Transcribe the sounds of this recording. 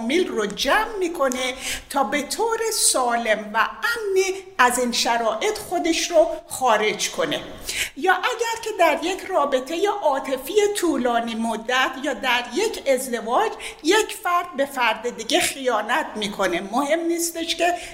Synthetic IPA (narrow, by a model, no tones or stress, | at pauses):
miːlrod͡ʒæmːiːkʰo̞ne̞t̪ʰɒːbe̞t̪ʰoːɾesɒːle̞mvææmniːæzinʃæɾɒːʔe̞t̪χo̞d̪eʃɾoχɒːɾe̞d͡ʒkʰo̞ne̞̰ | jɒːʔæɟæɾcʰe̞d̪æɾjecʰrɒːbe̞t̪ʰejeʔɒːt̪ʰe̞fiːjet̪ʰuːlɒːniːmod̪ːæt̪ʰjɒːd̪æɾje̞cʰe̞zd̪e̞vɒːd͡ʒjecʰfæɾd̪̚be̞fæɾd̪ed̪iɟexijɒːnæt̪ʰmiːkʰo̞ne̞mohe̞mniːst̪eʃce